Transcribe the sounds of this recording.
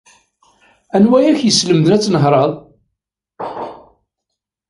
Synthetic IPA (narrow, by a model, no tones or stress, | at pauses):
ænwæjæçjəsləmðnæt͡sːnəɦɾˤɑðˤ